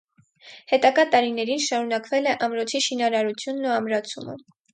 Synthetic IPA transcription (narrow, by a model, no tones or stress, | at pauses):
hɛt̪ɑɡɑt̪ɑɾinɛɾinʃɑɾunɑkvɛlɛʔɑmɾɔt͡sʰiʃinɑɾɑɾut͡sʰjunːuɑmɾɑt͡sʰumə̰